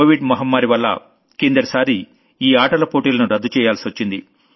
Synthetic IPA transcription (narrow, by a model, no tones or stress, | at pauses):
oːʋiɖmɐɦɐmːaːɾiʋɐlːɐ̰ | kend̪ɐɾɐsaːɾi | iːaːʈɐlɐpoːʈiːlɐnuɾɐd̪ːut͡ʃɛːjaːlsiʋɐt͡ʃːind̪ḭ